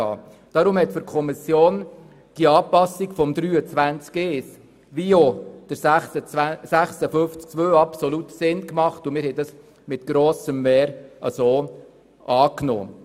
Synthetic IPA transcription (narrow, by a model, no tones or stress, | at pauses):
ɑ̰ː | d̥ɑɾʊmhɛt̪fyɾkʰɔmisjoːn | d̥iɑːpɑsːiɡfɔmd̥̪ɾyːət͡sʋænt͡skeːs | ʋiod̥əəsæχsəfʏnft͡sk̚t͡sʋøːɑpsɔlutsɪnkmɑχtʊmɪːɾhɛɪd̥ɑs | mɪt̪ɡ̥ɾoːsəmːɛːɾɑ̰soː | ɑːkno̰ː